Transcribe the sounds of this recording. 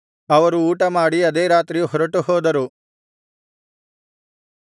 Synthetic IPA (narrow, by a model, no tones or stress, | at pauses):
ɐʋɐɾuuːʈɐmaːɽiɐd̪eːɾaːt̪ɾijuɦɔɾɐʈuɦɔːd̪ɐɾu